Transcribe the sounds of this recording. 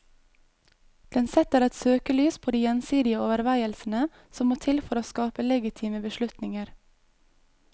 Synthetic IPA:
d̪̥ɛnsɛt̪əɾɛt̪søːkəlyːspʰoːd̪iːjɛnsiːd̪ɪəoːʋəɾʋæɪəlsn̩ə | sɔmːoːt̪ʰɪlfɔɾoːskɑːpəlɛɡɪt̪ʰiːməbəʃlʉt̪nɪŋəɾ

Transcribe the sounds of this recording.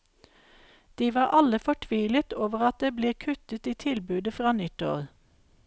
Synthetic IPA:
d̪̥iːʋɑːʔɑləfɔʈʰʋiːlət̪oːʋəʁɑt̪̚d̪eːbleːkʰʉt̪ət̪iːt̪ʰɪlbʉːd̪əfʁɑːnɪt̪ɔ̰l

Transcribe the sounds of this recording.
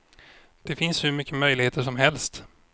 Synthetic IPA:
d̪̥ɛfɪnshɵɾmʏkːəmœjlɪɡheːt̪əʂɔmɦɛlst̪

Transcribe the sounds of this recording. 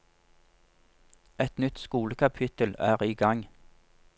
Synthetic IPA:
ɛt̪nʏt̪skuːləkʰɑpʰɪt̪əlæːʁiːɡɑŋ

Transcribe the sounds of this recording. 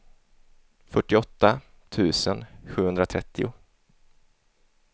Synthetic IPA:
fœʈːɪɔt̪ːa | t̪ʰʉ̟ːsənɧʉ̟ːhɵnd̪ɾat̪ʰɾɛt̪ːɪʊ

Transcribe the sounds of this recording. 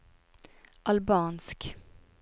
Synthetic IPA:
ʔalbɑːnsk

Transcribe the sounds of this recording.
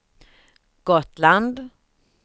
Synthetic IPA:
ɡ̥ɔt̪land̪

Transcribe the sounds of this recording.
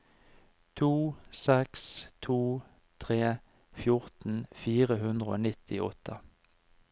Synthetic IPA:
t̪ʰuːsɛkst̪ʰuː | t̪ʰʁeː | fjʊʁt̪n̩fiːʁəhʉnd̪ʁəo̰ːnɪt̪ʰɪʔɔt̪ʰə

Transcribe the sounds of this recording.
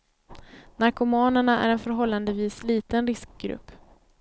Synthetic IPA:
naɾkʊmɑːnəɳaʔæ̰ɾɛnfœɾɦɔlːand̪əviːsliːt̪ənɾɪsk̚ɡɾɵ̰pː

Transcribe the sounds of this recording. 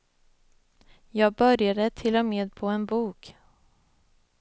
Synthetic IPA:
jɑːɡ̚bœɾjad̪ət̪ʰɪlːɔmeːd̪̚pʰɔɛnbuːk

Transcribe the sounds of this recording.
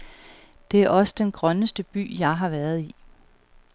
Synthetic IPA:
d̥e̝æɐʔɒ̽səd̥enɡ̥ʁɶnəsd̥əb̥y̰ːjɑ̈ɪɦɑ̈ʋæːɐð̞ˠi

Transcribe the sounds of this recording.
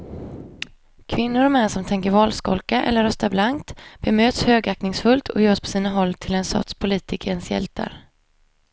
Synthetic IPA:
kʰvɪnːʊɾɔmɛnːsɔmt̪ʰɛŋkəɾvɑːlskɔ̰lkaʔɛ̰lːəɾːœst̪aɾblaŋkt̪b̥ɛmøːt̪shøːɡak̚nɪŋsfɵlt̪ʰɔjœːʂpʰɔ̥siːnaɦɔlːt̪ʰɪlɛnsɔ̰t̪spʰʊliːt̪ʰɪkəɾɛnsjɛ̰lt̪ʰa̰ɾ

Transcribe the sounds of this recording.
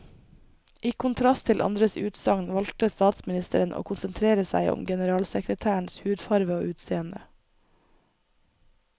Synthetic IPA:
ʔiːkʰʊnt̪ʰɾɑst̪ʰɪlʔɑ̰nd̪ɾəsʉːt̪sɑŋnʋɑlt̪əst̪ɑːt̪smɪnɪst̪ə̰ɾənʔo̰ːkʰʊnsənt̪ʰɾeːɾəsæ̰ɪʔʊ̰mɡɛnəɾɑːlsəkɾət̪ʰæːəɳshʉːd̪fɑɾʋəoːʔʉːt̪seːənd̪ə

